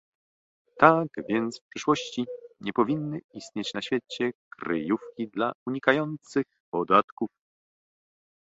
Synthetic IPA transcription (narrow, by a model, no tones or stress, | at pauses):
t̪aɡvʲjɛnt̪sfpʂɘʂwɔɕt͡ɕiɲɛpɔvʲinːɘist̪ɲɛt͡ɕnaɕfʲjɛt͡ɕɛkɾɘ̰jufkʲid̪lauɲikajɔnt̪sɘxpɔd̪at̪kuf